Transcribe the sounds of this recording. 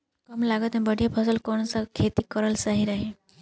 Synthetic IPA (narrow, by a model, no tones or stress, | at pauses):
kʌmlaɡət̪mẽbəɽʱijapʰəsəlkonsakʰet̪ikəɾəlsaɦiɾaɦe